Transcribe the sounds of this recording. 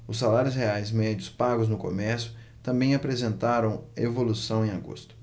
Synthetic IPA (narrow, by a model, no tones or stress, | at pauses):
ʊsːalaɾjʊsheajzmɛd͡ʒʊspaɡʊznʊko̰mɛɾsjʊ | t̪ɐ̃mbẽj̃apɾezẽnt̪aɾɐ̃w̃ḛvolusɐ̃w̃ẽj̃aɡo̰st̪ʊ